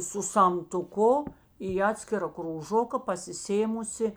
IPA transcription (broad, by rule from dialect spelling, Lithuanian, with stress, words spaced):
sʊ sɐmtʊˈkʊ iː ˈɑːtʲsʲkʲɪrɐ kruːˈʒoːkɐ pɐsʲɪˈsʲeːmʊsʲɪ